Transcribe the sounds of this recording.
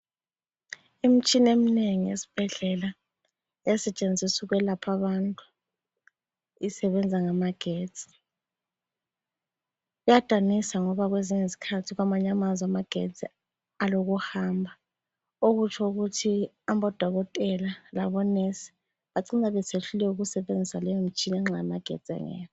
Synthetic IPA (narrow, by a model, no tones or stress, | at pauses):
im̩t͡ʃʼinemineŋijḛsi̥b̥ʱɛɮɛla | ɛsɛt͡ʃʼend͡zʱisuɣwɛlapʰaβantʼu | isɛβɛnd͡zʱaŋamaɡ̥ʱeːdz̥ʼʱi̥ | ujad̥ʱanisaŋɔβaɣweziŋezikʰatʰiɣwamaɲamazamaɡ̥ʱet͡sʼi | aloɣuhaːmbʱa | oɣut͡ʃʰɔuɣutʰi | ambɔd̥ʱɔɣɔtʼɛlalaβɔnesi̥ | βaǀinaβɛsʰeɬulɛuɣusɛβend͡zʱisalɛjom̩t͡ʃʼinɛŋ͡ǁajamaɡ̥ʱḛ̥t͡sʼɛ̰ŋɛ̰ːjɔ